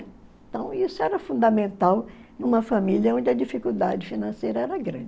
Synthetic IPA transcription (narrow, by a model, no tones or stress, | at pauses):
t̪ɐ̃w̃isʊɛɾɐfũnd̪ɐmẽnt̪awnũmɐfɐmiljɐõnd͡ʒɪɐd͡ʒifikuwd̪ad͡ʒɪfinɐ̃sejɾɐɛɾɐɡɾɐ̃d͡ʒɪ